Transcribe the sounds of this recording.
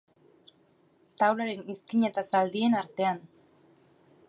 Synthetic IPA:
t̪awlaɾe̞niskiɲet̪asald̪ie̞naɾt̪e̞an

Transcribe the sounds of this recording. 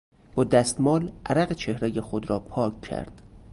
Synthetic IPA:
b̥ɒːd̪æst̪mɒːlʔæɾæɣet͡ʃʰehɾejexod̪ɾɒːpʰɒːkcʰæ̰ɾd̪̥

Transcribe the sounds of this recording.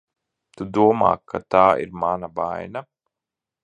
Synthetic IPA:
t̪ud̪uɔma̰ːkʰːat̪aːḭɾmanaba̰jna

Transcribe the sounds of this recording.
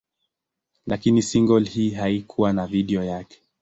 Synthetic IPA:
lʔakinisiŋɡɔlhiːɦaikʰuwanaviɗiɔjakɛ̥

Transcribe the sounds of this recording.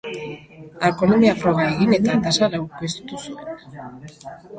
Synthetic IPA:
ako̞nomiafɾo̞ɣ̞aeɣine̞t̪at̪asaɾawkest̪usue̞n

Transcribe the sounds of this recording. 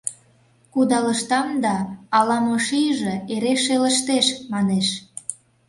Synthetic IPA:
kud̪ɑlə̆ʃt̪ɑmd̪ɑːlɑmoʃiʒĕeɾeʃelə̆ʃt̪eʃmɑneʃ

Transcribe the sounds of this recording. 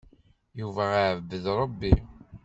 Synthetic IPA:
juvæaʕəvːəðɾˤəbːi

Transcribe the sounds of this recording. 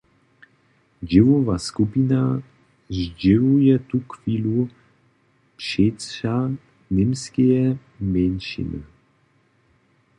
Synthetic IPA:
d͡ʒɪvɔvaskupina | zd͡ʒɪvujɛt̪ukviːlu | pʂetʂa | nɪmskɛjɛ | mɛnʃḭnə̰

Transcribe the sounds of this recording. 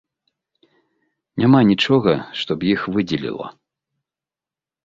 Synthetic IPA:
nʲamanʲit͡ʂɔɣɐʂt̪ɔpjixvɨd͡zʲɛlʲḭlˠɐ̰

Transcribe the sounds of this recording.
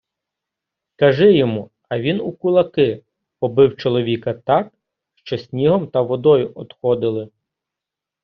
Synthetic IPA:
kɐʒɪjɔmu | ɐʋʲinukʊlˠɐkɪ | pɔbɪwt͡ʃɔlˠɔʋʲikɐt̪ɑk̚ | ʃt͡ʃɔsʲnʲiɦɔmt̪ɐʋɔd̪ɔjʊʔɔd̪xɔd̪ɪlˠɪ

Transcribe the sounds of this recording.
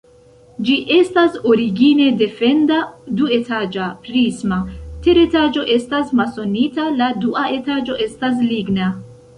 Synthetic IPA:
d͡ʒiʔe̞staso̞ɾiɡine̞de̞fe̞ndadue̞tad͡ʒapɾismate̞ɾe̞tad͡ʒo̞ʔe̞stasmaso̞nitaladuʔaʔe̞tad͡ʒo̞ʔe̞stas̬liɡna

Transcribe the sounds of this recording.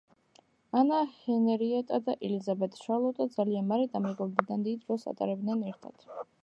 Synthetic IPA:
anahɛnɛɾiɛt̪ʼad̪aʔɛlizabɛt̪ʼʃalˠɔt̪ʼad̪zalianmaɾɛd̪amɛɡɔld̪ɛd̪and̪id̪ɾɔsa̰t̪ʼa̰ɾɛbd̪nɛnɛɾt̪ʰa̰t̪ʰ

